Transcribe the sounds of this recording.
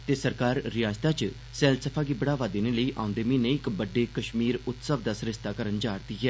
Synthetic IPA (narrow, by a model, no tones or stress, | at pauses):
t̪eːsəɾkaːɾːɪjaːd͡ʒt̪aːt͡ʃ | sɛːlsəpʰaːɡiːbəɽaːʋaːd̪eːneləiːʔa̰ːʊ̃nd̪eːmĩːnẽɪkbəɖːeːkəʃmiːɾʊt̪səʋd̪aːsəɾɪst̪aːkəɾənd͡ʒaːɾt̪iɦɛː